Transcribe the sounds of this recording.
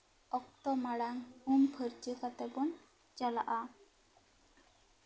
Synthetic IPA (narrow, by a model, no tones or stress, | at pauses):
ɔk̚t̪ɔmaɽaŋumpʰəɾt͡ʃəkat̪ɛpɔn | t͡ʃalaʔa